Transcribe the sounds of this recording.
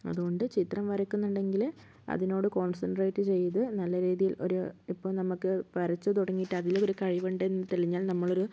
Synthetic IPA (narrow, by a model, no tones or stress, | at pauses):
ɐ̰ðuɣo̞ɳɖɨt͡ɕit̪rɐmʋɐɾɐkːunːuɳɖe̞ŋɡil | ɐ̰ðino̞ːɽɨko̞ːnsɐnʈrejʈːɨt͡ɕe̞jːɐðɨnɐlːɐɾiːðijilo̞̰ɾuipːoːɭnɐmukːɨʋɐɾɐt͡ɕːɨt̪uɽɐŋːijʈːɨɐðilːoɾukɐɻiʋɐɳɖeenːɨt̪eɭiɲːaːlnɐmːɐɭo̞ɾu